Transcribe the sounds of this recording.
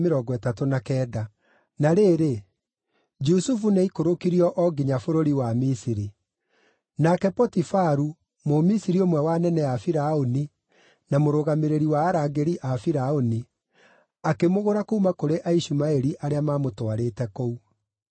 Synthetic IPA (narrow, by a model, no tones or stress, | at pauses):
meɾɔɡɔɛtatonakɛːda | naɾeːɾe | d͡ʒusufuneikoɾokiɾiɔʔɔɡiɲafoɾoɾiwamisiɾi | nakɛpɔtifaɾu | momisiɾiomwɛwanɛnɛafiɾaoni | namoɾoɣameɾeɾiwaːɾaɡeɾiʔafiɾaoni | akemoɣoɾakoumakoɾeʔaiɕumaɛɾiʔaɾeamaːmotwaɾetɛkou